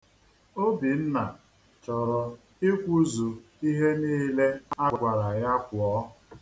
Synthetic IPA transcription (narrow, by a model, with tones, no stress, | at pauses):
o˦bi˨n̩˦na˨ | t͡ʃɔ˨ɾɔ˨ | i˦kʷu˦zu˨ | i˦ɦe˦niː˦le˦a˦˨kʷa˨ɾa˨ja˦kʷʊ˨ɔ˦˨